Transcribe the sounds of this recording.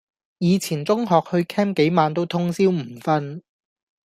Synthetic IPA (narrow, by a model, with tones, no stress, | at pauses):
jiː˨˧t͡sʰiː˨˩nt͡sʊ˥ŋɦɔː˨k̚hɵ˧ɥkʰɛː˥mke˨˥jmaː˨˧nt̪o˥wt̪ʰʊ˥ŋsiː˥wm̩˨˩fɐ˥n